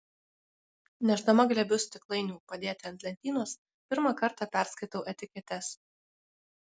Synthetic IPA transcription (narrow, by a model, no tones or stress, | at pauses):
nʲɛʒd̪ɐmɐɡlʲɛbʲʊsʲt̪ʲɪklˠɐɪnʲuːpɐd̪ʲeːt̪ʲɪɐnʲt̪ʲlʲɛnʲt̪ʲiːnoːs | pʲɪɾmɑkɐɾt̪ɑˑpʲæˑɾskɐɪt̪ɐʊʔɛt̪ʲɪkʲɛt̪ʲɛs